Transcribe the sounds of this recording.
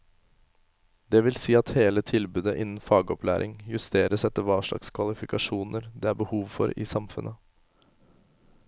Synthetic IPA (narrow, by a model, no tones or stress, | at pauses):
d̪ɛʋɪlsiːɑt̪heːlət̪ʰɪlbʉːd̪əʔɪnn̩fɑːɡəɔplæ̰ːɾʔɪ̰ŋjʉst̪ʰeːɾəsɛt̪ːəɾʋɑːʂɭɑ̰kskʰʋɑlɪfɪkɑʂuːnəɾd̪ɛːæːɾbəhuːʋfɔ̰ɾɪ̰ːsɑmfʉ̰nʔə